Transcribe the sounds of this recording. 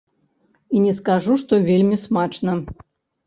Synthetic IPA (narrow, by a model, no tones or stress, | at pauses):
inʲɛskaʐuʂt̪ɔvʲelʲmʲismat͡ʂnɐ